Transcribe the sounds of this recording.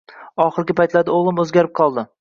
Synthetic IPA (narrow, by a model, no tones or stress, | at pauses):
ɒχɨɾɡʲɪpajt̪lad̪aoʁlˠɪmɵzɡʲaɾɪp̚qʰɒlˠd̪ɪ